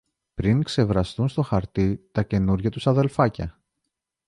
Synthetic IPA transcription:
pɾiŋkse̞vɾɐst̪unst̪o̞xɐɾt̪it̪ɐce̞nuɾʝɐt̪usɐðe̞lfɐcɐ

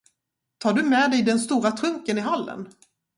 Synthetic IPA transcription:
t̪ʰɑːɖɵmɛːd̪ɛjd̪ɛnst̪uːɾat̪ʰɾɵŋkənɪɦalːə̰n

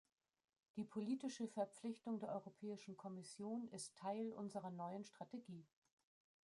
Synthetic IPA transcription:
d̥iːpʰoliːtɪʃəfɛɐp͡flɪçtʊŋdeːɐʔɔ̰ʁopʰɛːɪʃn̩kʰɔmɪsjoːnɪstʰːaɪlʔʊ̰nzəʁɐnɔʏənʃtʁ̥ateɡiː

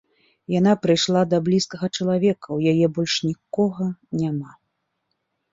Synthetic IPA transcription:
janapɾɨjʂlˠad̪ɐblʲiskɐɣɐt͡ʂɐlˠavʲɛkɐwjajɛbɔlʲʂnʲikɔɣɐnʲama

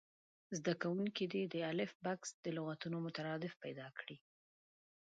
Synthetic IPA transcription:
zd̪akawuŋkid̪id̪əalɪfbaksd̪əlʊɣat̪unomʊt̪aɾɑd̪ɪfpajd̪ɑkɽi

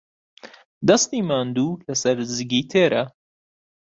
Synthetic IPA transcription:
d̪ɐst̪iːmaːnd̪uːlɐsɐɾzɨɡiːt̪ʰeːɾʔɐ

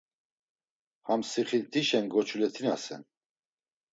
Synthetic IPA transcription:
hamsiχilt̪ʰiʃɛnɡɔt͡ʃʰulɛt̪ʰinasɛ̰n

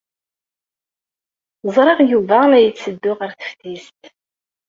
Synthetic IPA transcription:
əzˤɾˤeʁjuvæmæjət͡sːəd̪ːʊʁəɾθə̥fθist̪

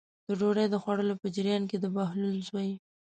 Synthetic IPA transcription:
d̪̥əɖoɽajd̪əxwaɽəlopəd͡ʒɪɾjɑnked̪əbahlulzwaji

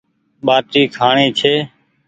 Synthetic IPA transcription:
ɓaːʈɾiːkʰaːɳeːt͡ʃʰeː

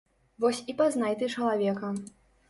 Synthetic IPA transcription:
vɔsʲipaznajt̪ɨt͡ʂɐlˠavʲɛkɐ

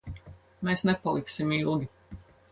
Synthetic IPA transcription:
meːsnepalˠiksimilˠɡʲi

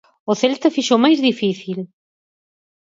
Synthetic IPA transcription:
ʊθelt̪ɐfiʃowmajzðifiθil

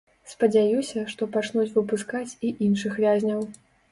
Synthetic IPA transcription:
spɐd͡zʲajusʲɐʂt̪ɔpat͡ʂnut͡sʲvɨpuskat͡sʲiʔinʂɨxvʲazʲnʲɐw

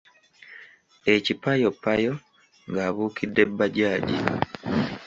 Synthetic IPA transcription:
ecipajo̞pːajo̞ | ŋɡaːβuːkʰidːebːaɟaːɟḭ

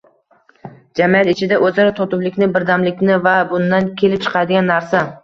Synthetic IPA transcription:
d͡ʒamijat̪ɪt͡ʃʰɪd̪aʔɵzaɾat̪ʰɒt̪ʊblɪkʲnɪbɪɾd̪amlɪkʲnɪvabʊnd̪ankʲʰe̞lɪp̚t͡ʃʰɨ̥qʰɑjd̪ɪɡʲanːaɾsa

